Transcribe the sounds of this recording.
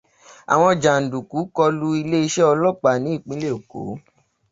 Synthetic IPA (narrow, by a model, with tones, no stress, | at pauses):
a̰˨w̃ɔ̃˧˨d͡ʒa˨n̩˨du˨ku˨˦kɔ˧lu˦i˧le˦i˧˦ʃɛ˦ɔ˧lɔ˦˨k͡pa˨nĩ˨˦i˦˨k͡pĩ˨˦le˦o˨ko̰˨˦